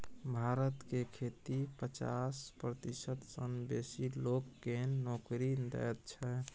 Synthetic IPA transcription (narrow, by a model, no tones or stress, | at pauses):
bʱaɾət̪kekʰet̪ipət͡ʃa̰spɾət̪isət̪sənbesilokːenːokɾind̪ɛ̰t̪̚t͡ʃʰɛ